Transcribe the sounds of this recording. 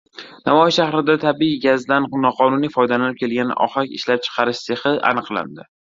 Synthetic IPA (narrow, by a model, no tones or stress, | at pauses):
navɒjɪsʃahɾɪd̪at̪ʰabiiɡʲazd̪annɒqʰɒnʊnifɒjd̪alanɪp̚kʲʰe̞lɡʲanɪ̰ʔɒ̰χakʲɪʃlap̚t͡ʃʰɨ̥qʰɑɾɪʃse̞χɪa̰nɨqlˠa̰nd̪ɪ